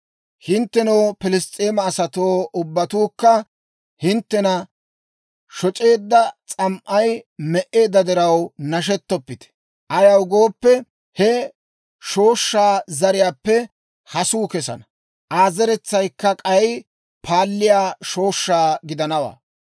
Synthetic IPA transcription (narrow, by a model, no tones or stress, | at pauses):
hɪnt̪ːɛnowpɪlɪst̪ʼeːmɐːsɐt̪oːʊbːɐt̪uːkːɐ | hɪnt̪ːɛnɐ | ʃɔt͡ʃʼe̞ːd̪ːɐt͡sʼɐmʔɐjmɛʔe̞ːd̪ːɐd̪ɪɾɐwnɐʃ̬ɛt̪ːɔpːɪt̪ɛ̥ | ʔɐjɐwɡo̞ːpːɛ | hɛ | ʃo̞ːʃːaːzɐɾɪjaːpːɛ | hɐsuːkɛsɐ̰nɐ | ʔaːzɛɾɛt͡sːɐjkːɐkʼɐj | pʰaːlːɪjaːʃo̞ːʃːaːɡɪd̪ɐnɐwa̰ː